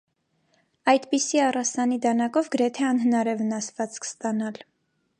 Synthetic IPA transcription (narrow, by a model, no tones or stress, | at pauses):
ɑjd̪pisiɑrɑsɑnid̪ɑnɑkɔvɡəɾɛt̪ʰɛɑnɦənɑɾɛvənɑsvɑt͡skʰə̥st̪ɑnɑl